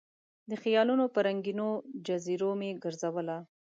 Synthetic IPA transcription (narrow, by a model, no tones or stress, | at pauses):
d̪əxijɑlunopəɾaŋɡinod͡ʒaziɾomeɡəɾzawəla